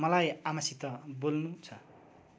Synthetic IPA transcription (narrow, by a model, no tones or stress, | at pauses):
mʌlajamasit̪ʌbolnut͡sʰʌ